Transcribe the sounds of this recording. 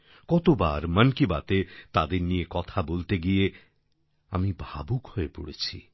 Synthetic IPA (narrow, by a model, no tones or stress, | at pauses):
kɔt̪oba̰ɾmənkiba̰t̪et̪ad̪eɾniekɔt̪ʰabolt̪eɡie | amibʱa̰bukɦoepoɽet͡ɕʰḭ